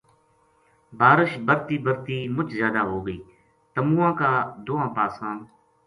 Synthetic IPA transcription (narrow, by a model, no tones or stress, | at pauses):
baːɾəʃbəɾt̪iːbəɾt̪iːmʊt͡ʃzjaːd̪aːɦoːɡəiː | t̪əmũːãːkaːd̪oːãːpaːsãː